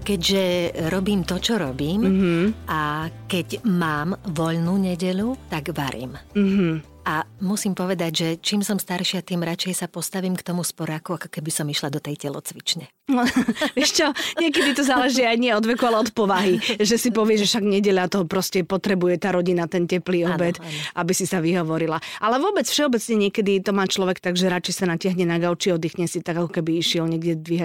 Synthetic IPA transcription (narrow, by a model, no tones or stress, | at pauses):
kɛɟʒɛɾɔbiːmt̪ɔt͡ʃɔɾɔbiːmɦ̩akɛɟmaːmʋɔʎnuːɲɛɟɛʎut̪aɡʋaɾḭːmm̩ɦ̩ | ʔamusiːmpɔʋɛd̪aɟʒɛt͡ʃiːmsɔmst̪aɾʃiat̪iːmɾat͡ʃɛjsapɔst̪aʋiːmkt̪ɔmuspɔɾakuakɔ̥kɛbisɔmiʃlad̪ɔt̪ɛjcɛlɔ̰t͡sʋit͡ʃɲɛɔʋɪɛʃt͡ʃɔɲɛkɛd̪it̪ɔzaːlɛʒiːajɲiɪɛɔd̪ʋɛkualɛɔt̪pɔʋaɦiʒɛsipɔʋɪɛʒɛfʃaɡɲɛɟɛʎat̪ɔpɾɔscɛpɔt̪ɾɛbujɛt̪aːɾɔɟinat̪ɛncɛpliːɔbɛt̪ʔabisisaʋiɦɔʋɔɾilaʔalɛʋʊɔbɛt͡sfʃɛɔbɛt͡sɲɛɲɪɛkɛd̪it̪ɔmaːt͡ʃlɔʋɛkt̪aɡʒɛɾat͡ʃɛjsanacaɦɲɛnaɡaʊt͡ʃiɔd̪iːxɲɛsit̪aɡakɔkɛbiiʃɪɛlɲɛɡɟɛd̪ʋiɦa